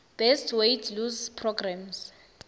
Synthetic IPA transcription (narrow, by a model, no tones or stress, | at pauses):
b̥ɛstʰwejtʰluzpʰrɔɡrams